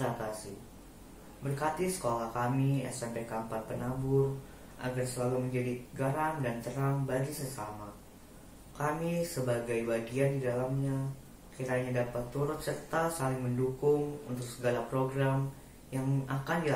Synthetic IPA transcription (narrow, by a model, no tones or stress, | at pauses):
at̪asɪ | bərkat̪isə̥kolahkamia̰sampekampat̪̚pənabʊr | ʔa̰ɡarsəlaluməɲd͡ʒadiɡəɾaŋdant̪əɾaŋbaɡisəsama | kamisəbaɡajbaɡiandidalamɲa | kiɾaɲadapat̪ːuɾʊt̪̚sərt̪asalɪŋməndukʊŋṵnt̪ʊk̚səɡalapɾoɡɾam | jaŋakandi